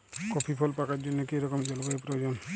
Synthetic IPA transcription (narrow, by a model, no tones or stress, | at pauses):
kɔpʰipʰɔlpakaɾd͡ʒɔnːɔkejɾɔkɔmd͡ʒɔlbaepɾɔd͡ʒɔn